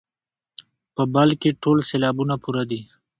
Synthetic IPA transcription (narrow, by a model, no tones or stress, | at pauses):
pəbalkeʈʰoːlseːlɑːbunapuɾad̪i